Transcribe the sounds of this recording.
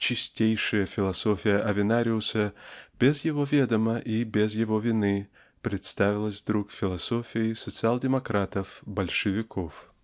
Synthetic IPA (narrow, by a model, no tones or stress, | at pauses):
t͡ɕɪsʲtʲejʂɨjəfʲɪlˠɐsofʲɪjəʔɐvʲɪnaɾʲɪʊsəb̥ʲɪzjɪvovʲed̪əməʔibʲɪzjɪvovʲɪnɨ | pɾʲɪt̪st̪avʲɪlˠəsʲd̪ɾukfʲɪlˠɐsofʲɪɪsət̪sɨalˠdʲɪmɐkɾat̪əfbɐlʲʂɨvʲɪkʰof